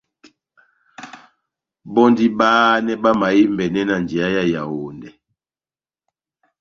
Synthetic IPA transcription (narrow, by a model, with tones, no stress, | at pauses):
bɔ˦ndi˦baː˦nɛ˦ba˦ma˨ji˦mbɛ˨nɛ˦na˨nd͡ʒi˨a˦ja˦ja˨wo˨ndɛ˨